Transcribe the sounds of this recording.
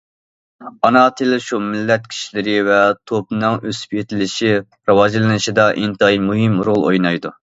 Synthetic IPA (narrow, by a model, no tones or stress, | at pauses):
ɑnɑt̪ʰɪlʃumɪlːɛt̪̚kʲʰi̥ʃilɪɾɪvɛt̪ʰop̚nɨŋøsy̥pjet̪ʰɪlɪʃi | ɾɨwɑd͡ʒlˠɨnɨʃid̪ɑʔint̪ɨimuɦɪmɾolˠo̰jnɑjd̪u